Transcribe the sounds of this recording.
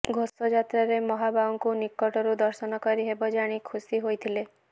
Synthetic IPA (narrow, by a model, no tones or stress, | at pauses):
ɡʱosɔd͡ʒat̪ɾaɾemɔɦabawŋkunikɔʈɔɾud̪ɔɾsɔnɔkɔɾiɦebɔd͡ʒaɽ̃ikʰusiɦojt̪ʰile